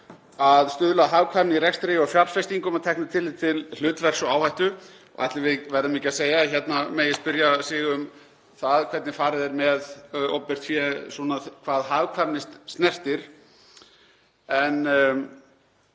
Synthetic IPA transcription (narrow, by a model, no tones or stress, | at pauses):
aðst̪ʏðlaɦaːvkʰvaɾmnɪiɾɛkst̪ɾejɔfjaɾsfɛjst̪iŋkʏmaðt̪ʰɛhknʏt̪ʰɪlɪt̪ʰɪll̥ʏːt̪vɛr̥sɔaːwhajht̪ʏ | ɔ̰ʔa̰ht̪lɪvɪvɛɾðɪmiːcɪaseːjaçɛt̪nameːjɪ̥spʏɾjasɪːɣʏm | θaðkʰvɛɾt̪nɪfaːɾɪðɛɾmɛðɔwpːɪr̥t̪fjɛsɔnakʰv̥aːðɦaːvkʰvanɪst̪st̪nɛr̥t̪ɪɾ̥ | ɛn